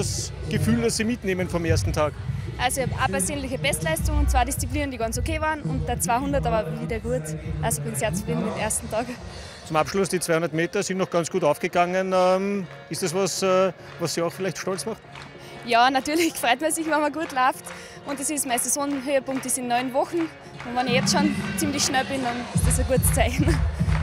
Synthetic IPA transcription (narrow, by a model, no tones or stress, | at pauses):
das | ɡ̥əfyːldɐsːiːmɪtneːmənfɔmeːɐstn̩tʰaːkʔalsoiçhɑpʔa̰pɛɐseːnlɪçəbɛstlæɪstʊŋʊnt͡sv̥aːɪdist͡sipliːnəndiɡɑnt͡sokʰeːvaːnʊntd̥ɐt͡sv̥aɪhʊndɐtɑbaviːdɐɡuːɐtʔalsoɪb̥ɪnseːɐt͡su̥fʁiːdn̩emʔeɐstn̩tʰɑːɡ | t͡sʊmapʃlʊsd̥iːt͡sv̥aɪhũnd̪ɐətmeːtɐsɪntnɔχɡ̥ant͡sɡ̥uːtaʊfɡ̥əɡ̥aŋənɛm | ɪstasvɑsɛː | vasːiaʊxfɪlæɪçtʃtɔlt͡smaχt | jɑːnatyːɐlɪçfʁœɪtmɐsɪçvanmɐɡuːətlaʊft | ʔʊ̃ntd̥esɪsmaɪssonɦøːəpʊ̃ŋktɪsɪnːɔʏnvɔxn̩ | ʊ̃ntvɑnɪçjɛt͡stʃont͡simlɪçʃnɛlbɪndɑnɪstdesəɡ̥uətt͡saɪçn̩